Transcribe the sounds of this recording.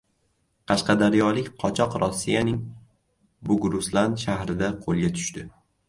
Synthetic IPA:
qʰɑʃqɑd̪aɾjɒlɪkʲqʰɒt͡ʃʰɒqɾɒsːijanɪŋ | bʊɡɾʊslanʃahɾɪd̪aqʰolˠɡʲat̪ʰʊ̥ʃt̪ɪ

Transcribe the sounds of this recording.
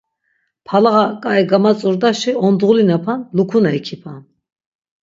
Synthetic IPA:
pʰalaʁakʼaiɡamat͡sʼuɾd̪aʃiɔnd̪ʁulinapʰanlukʰunaikʰipʰan

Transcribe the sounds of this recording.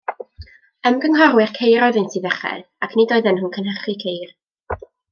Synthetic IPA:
əmɡəŋɦɔrwɪrkʰejɾɔðɪjntʰiːðɛχɛ̰ | akʰnidɔɨðənhuːnkʰənhəχikʰejr

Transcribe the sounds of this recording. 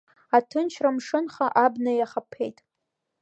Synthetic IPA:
atʰɨnt͡ʃʰramʂɨnχaʔabnajaχapʰːe̞jtʼ

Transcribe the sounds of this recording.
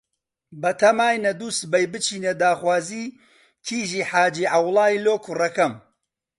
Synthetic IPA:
bɐt̪ʰɐmaːjnɐd̪uːst̪bɐjbɨt͡ʃʰiːned̪aːxwaːziː | kʰiːʒiːħaːd͡ʒiːʕawlˠaːiloːkʰurɐkɐm

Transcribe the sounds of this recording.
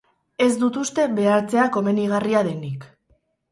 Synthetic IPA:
e̞zd̪ut̪ust̪e̞βe̞aɾt͡se̞ako̞me̞niɣ̞ariaðe̞nik

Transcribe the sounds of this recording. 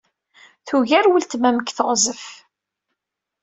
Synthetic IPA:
θuʝæɾwəlt̪mæməkːθəʁzəf

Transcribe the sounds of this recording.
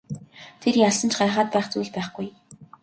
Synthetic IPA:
t̪ʰerjaɮsə̆nt͡ɕɢaːχaːt̪̚pæːχt͡suːɮpæːχɡuj

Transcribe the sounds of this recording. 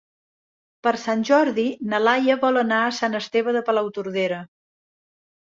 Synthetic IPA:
pəɾsanʲʒɔɾðinəlajəβɔlˠənaəsanəst̪eβəðəpəlawt̪uɾðeɾə

